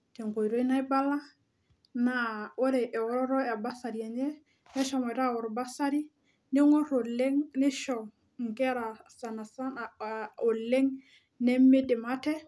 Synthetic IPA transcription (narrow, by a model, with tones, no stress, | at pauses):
tɛ˨ŋko˨i˨ɾo˦i˦na˦i˦ba˦la˦ | na˨ɔ˦ɾɛ˨ʔɛ˨ɔ˦ɾɔ˦ɾɔ˦a˨ba˦sa˨ɾi˨ɛ˨ɲɛ˦ | mɛ˦ʃɔ˨ma˨i˨ɾa˦˨wɔ˨ɾba˦sa˦ɾi˦ | ni˦ŋɔ˦ɾo˨lɛ˦ŋni˦ʃɔ˨ | ŋ˨kɛ˦ɾa˨sa˨na˨sa˦na˨a˨o˨lɛ˦ŋ | nɛ˦me˦dɪ˨ma˦tɛ˦